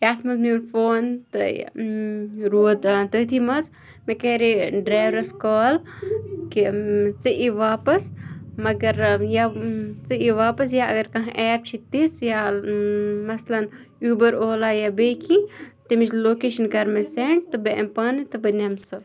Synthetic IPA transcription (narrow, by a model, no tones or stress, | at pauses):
jaːt̪ʰmɐzminfoːnt̪ɨ̰ | ɾoːd̪aːnt̪əːt̪ʰimɐz | mekeːɾiɖɾaːjʋɾɐskoːl | kit͡sɨʔiʋaːpɐsmɐɡɐɾjat͡sɨiʋaːpɐsjaɐ̰ɡɐɾkɐ̃ɦʔɛːp̚t͡ʃʰit̪isja | mɐslɐn | juːbɐɾoːlajabeːkʰĩt̪imit͡ʃloːkeːʃɐnkɐɾmɐseːɳt̪ɨbeʔɐ̰mpɐnɨt̪ɨbɨnʲɐmsɨ